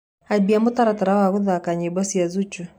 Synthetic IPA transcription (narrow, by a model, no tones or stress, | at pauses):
abiamut̪aɾat̪aɾawaɣuðakaɲɛbasiazut͡ʃɔ